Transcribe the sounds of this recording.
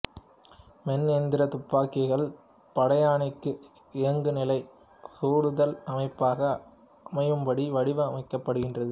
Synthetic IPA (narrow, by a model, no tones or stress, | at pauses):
mɛnend̪ɪɾɐt̪ʊpːaːkːɪɣɐɭ | pɐɽɐjaːɳɐɪkːɯ | ɪɐŋɡɯnɪlɐɪ | kuːɽɯðɐlɐmɐɪpːaːɣɐ | ɐmɐjɯmpɐɽiʋɐɽɪʋɯɐmɐɪkːɐpːɐɽɯɣɪndrɐðɯ